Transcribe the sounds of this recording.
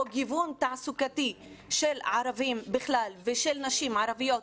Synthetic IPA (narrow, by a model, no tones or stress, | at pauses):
oɡivunt̪aʕsukat̪i | ʃelʕaɾavimbiχlalveʃelnaʃimʕaɾavijot